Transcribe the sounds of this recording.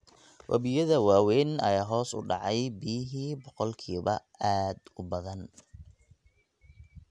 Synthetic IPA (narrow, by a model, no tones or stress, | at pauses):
wʔɐ̰βɪjɐðɐwaːwɛjnɐ̰jaːɦɔːsʊ̰ɖɑ̰ʕɑjbijɦiːbɔqɔlkʰiːβɐ̰ | aːd̪ʊbɐðɐn